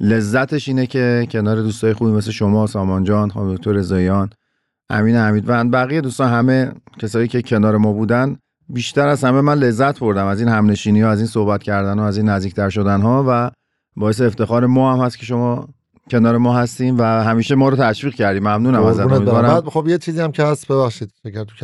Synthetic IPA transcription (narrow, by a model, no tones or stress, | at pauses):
le̞zːæt̪ʰe̞ʃiːnecʰe̞cʰe̞nɒːɾe̞d̪uːst̪ɒːje̞xuːbimesleʃo̞mɒːsɒːmɒnd͡ʒɒːnxɑmd̪okc̚ʰt̪oɾezɒːjɒːn | ʔæ̰miːnehæmiːd̪vænbæɣije̞d̪uːst̪ɒːnɦæme̞cʰesɒːjiːcʰe̞cʰe̞nɒːɾe̞mɒːbuːd̪æn | biːʃt̪æɾæzhæmemænle̞zːæt̪ʰbo̞ɾd̪æmæziːnhæmne̞ʃiːniɒæziːnsohbæt̪cʰæɾd̪ænhɒæziːnːæzd̪iːc̚ʰt̪ʰæɾʃo̞d̪ænɦɒːvæ | bɒːjes̬eːft̪e̞xɒːɾe̞mɒːhæmhæst̪cʰe̞ʃo̞mɒː | cʰe̞nɒːɾemɒːhæst̪iːmvæhæmiːʃemɒːɾɔt̪ʰæʃviːɣcʰæɾd̪iːmæmnuːnæmæzæmid̪ɒːɾæxobjet͡ʃʰiːziæmcʰehæst̪beβæxʃiːd̪̚fekʰæɾt̪ʰu̥